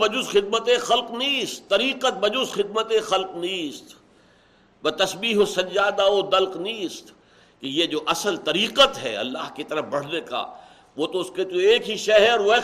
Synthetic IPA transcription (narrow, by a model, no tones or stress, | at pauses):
bɐd͡ʒusxɪd̪̚mət̪ẽxɐlqnĩst̪ːɐɾiːqət̪̚bɐd͡ʒʊsxɪd̪̚mət̪ẽxɐlqnĩst̪ | bɐt̪ɐsbiːɦosɐd͡ʒzaːd̪aod̪ɐlqnĩst̪ | kejed͡ʒoːʔɐsəlt̪ɐɾiːqət̪ɦɛ̰ɐ̰lːa̰ːɦkit̪ɐɾəfbɐɽ̤neka̰ː | ʋoːt̪oʊsket̪oeːkɦiʃɐɦɾʋe